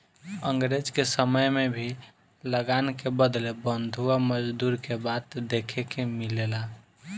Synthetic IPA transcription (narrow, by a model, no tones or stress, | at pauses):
əŋɡɾed͡ʒkesəməjmebʱi | ləɡankebəd̪lebənd̪ʱuaməd͡ʒd̪uɾkebat̪d̪ekʰekemilela